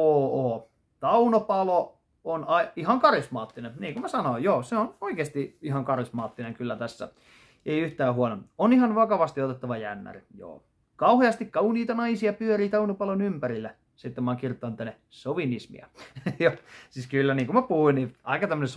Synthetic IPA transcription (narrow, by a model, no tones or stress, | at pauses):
oːoː | t̪ɑunopɑlo | onɑiihɑŋkɑrismɑːt̪ːinenniːŋkumæsɑnoijoːseonoikeːst̪iihɑŋkɑrismɑːt̪ːineŋkylːæt̪æsːæ̰ | eiyht̪æːhuonononihɑnʋɑkɑʋɑst̪iot̪et̪ːɑʋɑjæ̰nːæ̰rijo̰ː | kɑuheɑst̪ikkɑuniːt̪ɑnɑisiɑpyøɾiːt̪ɑunɑpɑlonympæɾilːæ | sit̪ːemɑːkirt̪ːˑɑˑnt̪ænːe | soʋinismḭɑ̰josiːskylːæniːŋkumæpuhuinniɑikɑt̪æmːønes